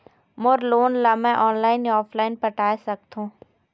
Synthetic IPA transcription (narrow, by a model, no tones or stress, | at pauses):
moɾloːnlamɛ̃ʔɔːnlaːɪnɔːpʰlaːɪnpɐʈaːesɐk̚t̪ɦũː